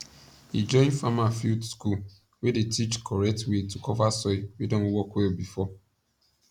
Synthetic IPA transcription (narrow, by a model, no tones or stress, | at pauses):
hḭd͡ʒɔ̃ɪ̃nfamafildsku | wedetʰit͡ʃkʰɔɹɛtwetukʰɔvasɔɪwedɔ̃nwɔkwɛlbifɔ